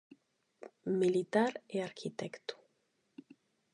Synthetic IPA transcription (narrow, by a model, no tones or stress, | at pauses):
milit̪aɾeaɾkʰit̪ekt̪u̥